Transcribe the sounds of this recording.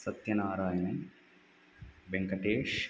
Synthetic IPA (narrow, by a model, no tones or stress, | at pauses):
sɐt̪jɐnaːɾaːjɐnɐ | beŋkɐʈeːʂ